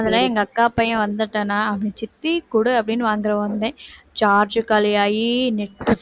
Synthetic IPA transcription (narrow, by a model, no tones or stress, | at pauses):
ɐðɐlãːɛŋɡɐːkːaːpɐjɐ̃ʋɐnd̪ɯʈːɐnːaːɐpɐnĩt͡ʃɪt̪ːikʊɽɯɐpːɐɽɪnːɯʋaːŋɡɪɾɐʋɐnd̪ẽːt͡ʃaːɾd͡ʒkaːlɪjaːjinɪʈs